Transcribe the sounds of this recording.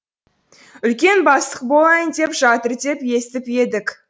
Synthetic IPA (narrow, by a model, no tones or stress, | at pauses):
ʏlkʲe̞nbɑst̪əq̚bolˠɑjənd̪e̞pʒɑt̪əɾd̪e̞pje̞st̪ɪpje̞d̪ɪk